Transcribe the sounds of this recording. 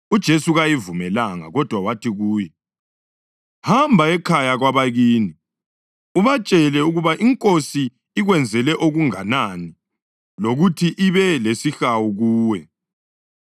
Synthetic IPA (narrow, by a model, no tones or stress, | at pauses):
ud̥ʒ̥ʱesuɣajivumɛlaŋa̰ɣɔd̥ʱwawatʰiɣuːjɛ | hambʱaɛkʰajaɣwaβaɣiːni | uβat͡ʃʼɛlɛuɣuβaʔiŋkʼosiː | ɣwɛnd͡zʱɛlɛʔoɣuŋanani | loɣutʰiʔiβɛlesixawuɣuːwɛ